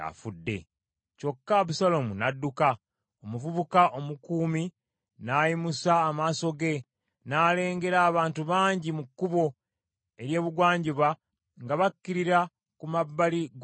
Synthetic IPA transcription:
a̰fudːe̞̰ | co̞kːaβusalo̞munadːuka | omuvuβukaʔo̞mukuːmi | najimusaːmaːso̞ɡe̞ | naːle̞ːŋɡe̞ɾaːβaːntuβaːɲɟimukːuβo̞ | e̞ɾje̞ːβuɡwaːɲɟiβa | ŋɡaβakːiɾiɾa | kumabːaliɡ

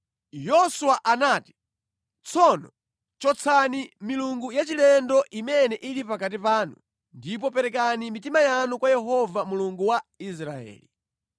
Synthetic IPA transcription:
jɔsuwaʔanaːti̥ | t͡sʰɔnɔ | t͡ʃɔt͡sʰanimiluŋɡujat͡ʃilɛndɔʔimɛnɛʔilipakatipaːnu | ndipɔpɛɾɛkanimitimajanukwajɛɦɔvamuluŋɡuwais̬ɾa̰ɛ̰ːli

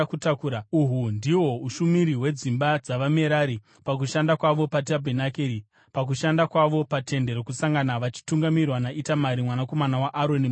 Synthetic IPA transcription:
kutakuːɾauɦundiwo̞uʃumiɾiwe̞d͡zimbad͡zaʋame̞ɾaːɾi | pak̬uʃandakwaʋo̞patiabʱenakeɾi | pak̬uʃandakwaʋo̞pate̞nde̞ɾokusaŋɡanaʋat͡ʃi̥tuŋɡamirwanaʔitamaɾimwanako̞manawaʔːɾoni

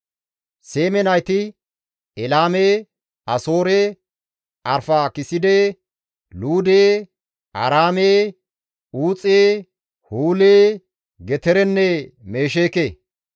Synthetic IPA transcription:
seːmɛnɐjt̪ɪ | ɛlaːmeː | ɐso̞ːɾeː | ɐɾfaːkɪsɪd̪e | luːd̪eː | ɐɾaːmeː | uːt͡sʼeː | huːleː | ɡɛt̪ɛɾɛnːɛme̞ːʃ̬eːkeː

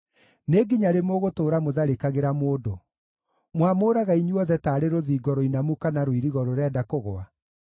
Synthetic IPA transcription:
neɡiɲaɾemoɣotoːɾamoðaɾekaɣeɾamoːdo | mwamoːɾaɣaiɲuɔðɛtaːɾeɾoðiːɡɔɾɔinamukanaɾwiɾiɣɔɾoɾɛdakoɣoa

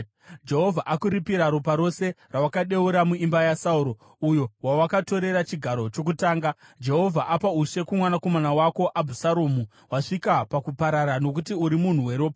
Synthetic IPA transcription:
d͡ʒe̞ɦo̞vʱaʔakuɾipiɾaɾupaɾo̞se̞rawakaɗe̞uɾamuimbajasauɾo̞ | ujo̞wawakato̞ɾe̞ɾat͡ʃiɡʱaɾo̞t͡ʃo̞k̬utaːŋɡad͡ʒe̞ɦo̞vʱaʔapauʂe̞kumwanako̞manawako̞ʔabʱusaɾoːmu | waʂikapakupaɾaɾano̞kutiuɾimun̤uwe̞ɾo̞ːpa

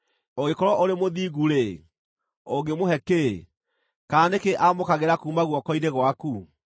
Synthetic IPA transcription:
oɣekɔɾɔʔoɾemoðiːɣuɾe | oɡemoɦɛke | kaːndekeʔamokaɣeɾakuːmaɣwɔkɔineɣwaku

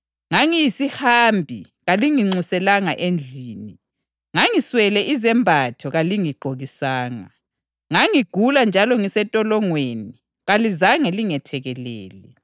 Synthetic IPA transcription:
ŋaŋijisihaːmbʱi | ɣaliŋiŋ͡ǀusɛlaŋaʔend͡ɮʱiːni | ŋaŋiswɛlɛʔizɛmbʱatʰɔɣaliŋiɡ͡ǃʱoɣisaːŋa̰ | ŋaŋiɡ̥ʱuland͡ʒʱalɔŋisɛtʼɔlɔŋweni | ɣalizaŋɛliŋɛtʰɛɣɛlɛːlɛ

